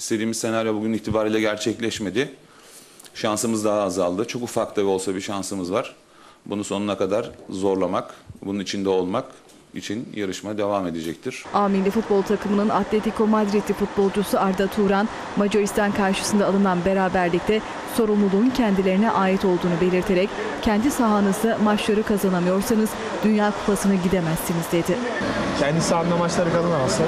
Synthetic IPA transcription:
se̞d̪iːmizse̞naɾjobuɟyniçt̪ʰibaːɾilʲɛɟæɾt͡ʃʰɛclʲɛʃme̞d̪ɪ | ʃansɯmɯzd̪aɦaːzalˠd̪ɯt͡ʃʰo̞kufaɾklˠavɛo̞lˠsabiʃansɯmɯzvaɾ̥ | bununso̞nunakad̪aɾzo̞ɾlˠamakbununit͡ʃʰind̪ɛo̞lˠmak | ḭt͡ʃʰinjaɾɯʃmad̪e̞vaːme̞d̪e̞d͡ʒɛc̚t̪ʰiɾ̝̥aːminlʲifut̪̚bo̞lˠt̪ʰakʰɯmɯnɯnʔat̪ʰlʲet̪ʰikʰo̞mad̪ɾit̪ʰifut̪̚bo̞lˠd͡ʒusuaɾd̪at̪ʰuːɾan | mad͡ʒo̞ɾist̪ʰankʰaɾʃɯ̥sɯnd̪aːlˠɯnanbe̞ɾaːbæɾlʲic̚t̪ʰɛ | so̞ɾumlˠulˠuːncʰɛnd̪ilʲeɾinɛʔaːjit̪ʰo̞lˠd̪uːnube̞lʲiɾt̪ʰe̞ɾɛc | cʰɛnd̪isaɦanɯzd̪amat͡ʃlˠaɾɯkʰazanamɯjo̞ɾsanɯz̥ | d̪̥ynjaːkʰu̥pʰasɯnɯɟid̪e̞mæsːinizd̪e̞d̪ɪcʰɛnd̪isaanamat͡ʃlˠaɾɯkalˠanamasa

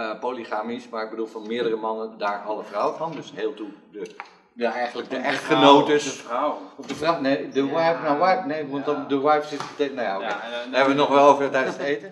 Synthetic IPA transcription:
poliχaːmismaɹɪɡ̚bədulˠfɔnmɪədərəmɑnəndaːɹʔɑlˠəfrawəfɑndøsheːlˠtudə | ɛjɣənlək̚dəɛxtχənowtəs | ɔfdəfrawnedəwajpnaʋajpnejuɔntɔdəwajpsɪtətenajaokedaɦɛbəʋətnɔxʋɛlˠovətɛjdənsdəejtə

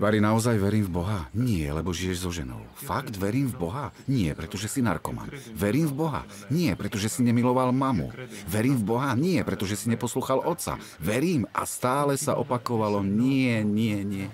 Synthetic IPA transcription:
baɾinaɔzajʋɛɾiːmvbɔɦaɲɪɛlɛbɔʒijɛʒzɔʒɛnɔ̰ʊfaɡd̪ʋɛɾiːmvbɔɦa | ɲɪɛpɾɛt̪ɔʒɛsina̰ɾkɔma̰mʋɛɾiːmvbɔɦa̰ | ɲɪɛpɾɛt̪ɔʒɛsiɲɛmilɔʋalmamṵʋɛɾiːmvbɔɦaɲɪɛpɾɛt̪ɔʒɛsiɲɛpɔsluːxalʔɔt̪sa̰ | ʋɛɾiːmʔa̰st̪aːlɛsa̰ʔɔpakɔʋalɔɲɪɛɲɪɛɲɪɛ

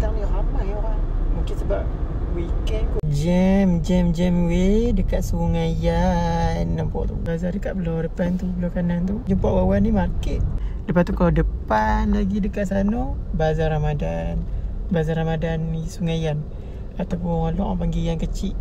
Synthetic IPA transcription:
t̪aŋnihamajoɾaŋmuŋkɪnsəbap̚ | wikɛnkud͡ʒɛmd͡ʒɛmd͡ʒɛmwedəkatʔ̪̚suŋajanːampɔ̰ʔt̪ṵbazadəkat̪ʔ̚bəlowdəpant̪ubəlakanant̪ud͡ʒumpaʔwawanːimarkɛʔ̪̚dəpat̪ukaladəpanlaɡidəkaʔsanɔbazaɾamadanbazaɾamadanisuŋajan | at̪awp̬ʊŋalɔ̰ʔbaŋɡijankət͡ʃɪʔ

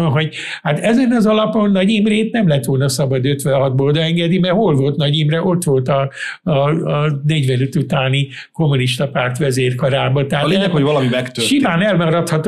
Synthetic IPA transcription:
ɦo̞ɟ | hat̪ɛzɛnɒzɒlɒpo̞nːɒɟimreːt̪nɛmlɛɦɛt̪ʋo̞lnɒsɒbɒd̪øt̪ʋɛnɦɒd̪̚boːld̪ɒɛŋɡɛd̪imɛrɦolvolt̪nɒɟimrɛʔo̞t̪ʋo̞lt̪ɒ | nɛɟʋɛnøt̪ut̪aːni | ko̞mːuniʃt̪ɒpaːrt̪ʋɛzeːrkɒɾaːbɒt̪ɛɦaleɛkoɟvɒlɒmimɛkt̪ørʃimaːnɛlmɒɾɒt̪hɒt̪ː

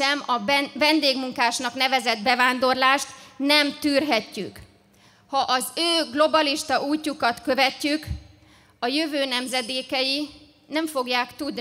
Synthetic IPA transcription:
ɛmɒvɛnd̪eːɡmuŋkaːʃnɒkn̪ɛvɛzɛd̪bɛvaːnd̪o̞rlaːʃt̪nɛmt̪yːrɦɛcːyk | hɒʔɒzøːɡlo̞bɒliʃt̪ɒʔuːcːukɒt̪kø̞vɛcːyk | ɒjøvøːnɛmzɛd̪eːkɛji | nɛɱfo̞ɡjaːkt̪ud̪

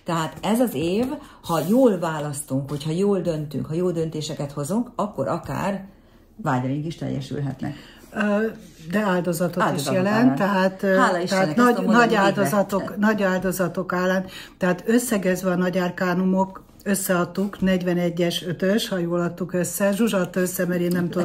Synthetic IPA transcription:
t̪ɛɦaːt̪ɛzɒzeːvhɒjoːlvaːlɒst̪uŋkho̞chɒjoːld̪ø̞nt̪y̰ŋkhɒjoːld̪ø̞nt̪eːʃɛkɛt̪ho̞zuŋkɒkːo̞̰ɾʔɒka̰ːr | vaːɟrɒiŋkiʃt̪ɛ̰jːɛ̰ʃy̰lɦɛ̰t̪nɛ̰kː | d̪ɛaːld̪o̞zɒt̪oiʃjɛlɛnt̪ːɛɦaːt̪aliɛanɒnɒɟaːld̪ozɒt̪oknɒɟaːld̪o̞zɒt̪o̞kaːlːaːn | t̪ɛɦaːt̪øsːɛɡɛzʋɛɒnɒɟaːrkaːnumok | øsːɛɒt̪ːuknɛɟʋɛnɛɟːɛʃøt̪øʃhɒjoːlɒt̪ːukøsːɛʒuʒɒt̪øsːɛmɛɾeːnːɛmt̪u

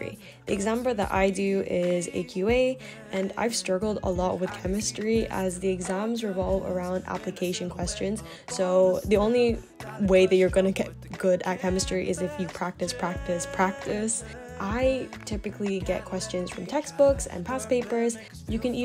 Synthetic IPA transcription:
ɹḭ | ðiɨɡzæ̃mpl̩ˠðə̰ɾʔa̰ɪdʉʔɪzḛɪkʰj̥ʉeɪ | ʔɨ̃na̰ɪv̥stɹ̥ʌɡl̩ˠdə̰lɔʔ̚wɨð̥kʰɛmɨstɹ̥iʔə̰zðiɨɡzæ̃mzɹɨvɑlˠvə̰˞ãʊ̃ndæ̰plɨkʰeɪʃɨ̃nkʰw̥ɛst͡ʃɨ̃nz̥ | soʊðiõʊ̃nli | weɪðɨt͡ʃə˞ɡʌnɨɡɛt̚ɡ̥ʊɾɨ̰t̚kʰɛmɨstɹ̥iʔɪzɨfjɨpʰɹ̥æk̚tɨspʰɹ̥æk̚tɨspʰɹ̥æk̚tɨs | ʔaɪtʰɪpɨkʰliɡɛ̰t̚kʰw̥ɛst͡ʃɨ̃nz̥fɹʌ̃mtʰɛksb̥ʊksɨ̰̃npʰæspeɪpə˞z | jɨkɨ̃ni

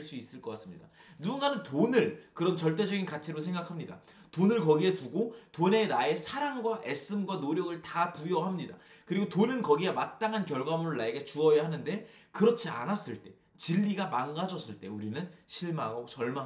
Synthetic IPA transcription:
ɭs͈uis͈ɯɭk͈ʌk͈as͈ɯmɲidanuɡunɡanɯntonɯɭkɯɾʌnt͡ɕʌɭt͈e̞d͡ʑʌɡinkat͡ɕʰiɾosʰe̞ŋɡakʰamɲida̰ | tonɯɭkʌɡie̞tuɡotone̞nae̞sʰaɾaŋɡwaʔe̞s͈ɯmɡwanoɾjʌɡɯɭtapujʌɦamɲida̰ | kɯɾiɡotonɯnkʌɡiemat̚t͈aŋɦankjʌɭɡwamuɾɯɭːaeɡe̞t͡ɕuʌjahanɯnde̞ | kɯɾʌt͡ɕʰia̰nas͈ɯɭt͈e̞ | t͡ɕiʎːiɡamaŋɡad͡ʑʌs͈ɯɭt͈e̞uɾinɯnɕʰiɭmaɡot͡ɕʌɭma

